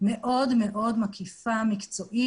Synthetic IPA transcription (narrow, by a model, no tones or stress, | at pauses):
meʔo̞d̪meʔo̞d̪makʰifamikt͡so̞ʔi